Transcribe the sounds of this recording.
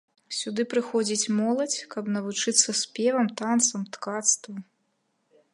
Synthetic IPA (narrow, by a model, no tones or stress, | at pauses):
sʲud̪ɨpɾɨxɔd͡zʲit͡sʲmɔlˠɐt͡sʲkɐbnɐvut͡ʂɨt̪sːɐspʲɛvɐmt̪ant̪sɐmt̪kat̪st̪vɐ